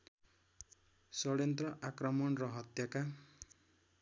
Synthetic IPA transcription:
sʌɽjʌnt̪rʌʔakrʌmʌnrʌɦʌt̪jaka

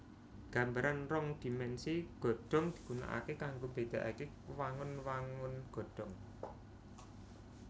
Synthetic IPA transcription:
ɡ̥a̤mbaɾanrɔŋd̪̥i̤mɛnsiɡ̥ɔ̤ɖ̥ɔ̤ŋd̪̥i̤kuna̰ʔa̰kekaŋɡombed̪̥a̤ʔake | waŋʊnwaŋʊnɡ̥ɔ̤ɖ̥ɔ̤ŋ

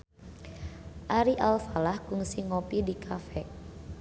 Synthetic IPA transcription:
ʔaɾiʔalfalahkuŋsiŋopidikʰafɛ

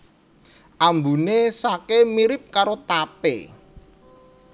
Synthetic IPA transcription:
ʔambunesakemiɾɪp̚kaɾot̪apḛ

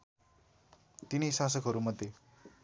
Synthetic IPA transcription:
t̪inijsas̬ʌkɦʌɾumʌd̪ːe

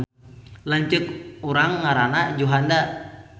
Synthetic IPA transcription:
laɲt͡ʃəkuɾaŋːaɾanad͡ʒuɦanda

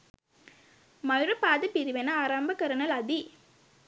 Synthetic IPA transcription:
mɐjʊɾɐpaːðɐpiɾɪʋɐnɐaːɾaːmbɐkɐɾɐnɐlɐd̪i

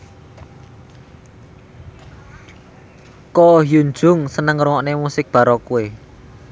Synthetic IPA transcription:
kɔjund͡ʒʊ̤ŋsənəŋruŋɔʔnemusɪk̚b̥a̤ɾɔkuwe

